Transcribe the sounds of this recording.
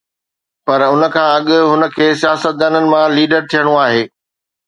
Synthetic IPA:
pɐɾʊnə̆kʰãːɐɠʊ̆ɦʊnə̆kʰeːsijaːsət̪̚d̪aːnənɪ̆mãliːɖəɾt̪ʰijəɽ̃oaːɦeː

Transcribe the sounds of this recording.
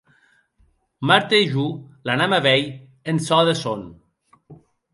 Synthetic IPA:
maɾt̪eiʒulanamaβɛj | ensɔðeson

